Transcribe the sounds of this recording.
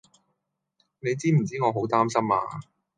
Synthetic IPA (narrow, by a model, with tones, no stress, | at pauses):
ne˨˧jt͡siː˥m̩˨˩t͡siː˥ŋɔː˨˧ɦo˨˥wt̪aː˥msɐ˥ma̰ː˧